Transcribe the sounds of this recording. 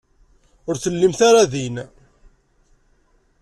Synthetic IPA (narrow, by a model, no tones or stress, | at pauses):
ʊɾθəlːimθaɾaðin